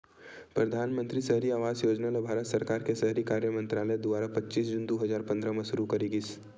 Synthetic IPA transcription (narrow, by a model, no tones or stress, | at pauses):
pɾɐd̪ʱaːnmə̃nt̪ɾisəɦɾiaːʋaːzjoːd͡ʒnalebʱaːɾət̪sɐɾkaːɾkesɐɦɾikaːɾjəmə̃nt̪ɾaːləjd̪uʋaːɾapɐtːʃiːs̬d͡ʒʊnd̪oɦɐzaːɾpɐ̃nd̪ɾəmɐʃʊɾukɐɾiɡis